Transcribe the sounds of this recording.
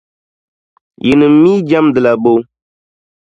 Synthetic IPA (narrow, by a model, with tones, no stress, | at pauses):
jʔi˨nɨ˨m̩˨˦miː˦d͡ʒa˦mdɨ˨la˨bo˦w